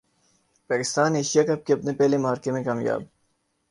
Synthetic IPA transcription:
pekist̪aːneɕijɐkɐp̚kʲep̚nepelemaːɾkemekamjɑ̰ːb̚

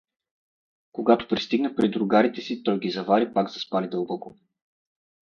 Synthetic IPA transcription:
koɡat̪o̥pɾist̪iɡnəpɾid̪ɾʊɡaɾit̪ɛsit̪ɔjɡizɐvaɾipaɡzɐspalid̪ɤlˠbɔko

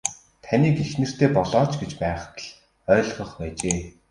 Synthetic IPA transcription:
t̪ʰaniːkexnɘ̆r̥t̪eːpɔɮɔːt͡ɕɡet͡ɕpæːχt̪ɮ | œːɮʁə̆χpæːt͡ɕeː

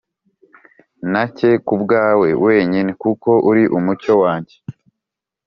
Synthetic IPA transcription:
nace̞kubɡaːwe̞wʔe̞ːɲinekuko̞ʔuɾiʔumuco̞waːɲɟe̞

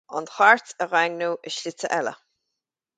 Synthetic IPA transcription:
ʊ̰nxaɹtəɣaɡnuːʔɪʃlɪt͡səʔɛlə̰

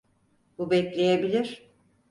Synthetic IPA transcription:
bubɛclʲe̞jebilʲiɾ̥

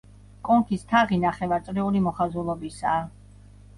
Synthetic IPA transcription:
kʼɔŋkʰist̪ʰaʁinaχɛvaɾt̪sʼɾiulimɔχazulˠɔbisaː

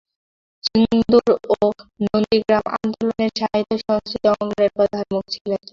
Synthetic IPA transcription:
d͡ʑind̪uɾonond̪iɡɾamʔa̰nd̪oloneɾʃaɦit̪ːoʃɔŋst̪ɾit̪ɔŋleɾpɔd̪ʱanmukt͡ɕʰilen

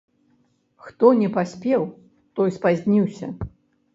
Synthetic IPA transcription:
xt̪ɔnʲɛpasʲpʲɛw | t̪ɔjspazʲnʲiwsʲɐ̰

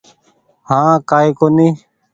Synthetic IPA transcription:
hãːkaːiːkoːniː

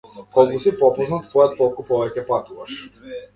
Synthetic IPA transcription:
kɔlˠkusipɔpɔznat̪svɔjɔt̪̚kɔlˠkupɔvɛcɛpat̪uvaʃ

